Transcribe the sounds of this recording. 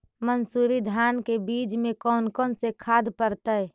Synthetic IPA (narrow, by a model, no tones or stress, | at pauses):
mənsuːɾid̪ʱaːnkebiːd͡ʒmẽkɔːnkɔːnsekʰaːd̪pəɾt̪ə